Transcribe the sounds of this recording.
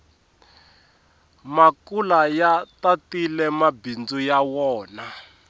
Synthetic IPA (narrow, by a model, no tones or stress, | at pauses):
makulajatatilɛmabind͡zujawɔːna